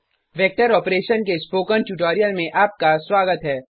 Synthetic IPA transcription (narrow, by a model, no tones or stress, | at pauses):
ʋɛːk̚ʈəɾɔːpɾeːʃənkespoːkənʈuːʈoːɾijəlmẽʔaːp̚kaswaːɡət̪ɦɛː